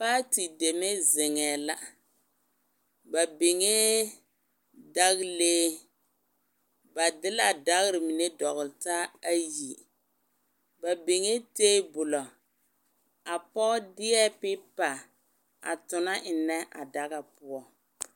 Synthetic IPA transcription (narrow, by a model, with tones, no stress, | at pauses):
paː˦ti˨de˨me˦zɪ˨ŋɛː˨la˦ | ba˨be˨ŋe˦ | da˦ɣleː˦ | ba˨dɪ˦la˨da˦ɣɾɪ˨mi˨ne˦dɔ˨ɣʊ˨lɪ˨ta˦a˦ji˨ | ba˨be˨ŋe˦teː˦bʊ˨lɔ˨ | a˨pɔː˦dɪ˦ɛ˦pɪ˦pa˨ | a̰˨tʊ˨na˦ʔɪ˨nɛ˦ʔa̰˨da˦ɣa˨pʊ˦ɔ˦